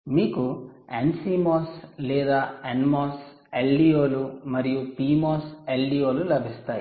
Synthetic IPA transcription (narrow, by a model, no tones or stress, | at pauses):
miːkuensiːmoːslɛːd̪aːenmoːs | elɖiːjoːlumɐɾijupiːmoːselɖiːjoːlulɐbʱist̪aːjḭ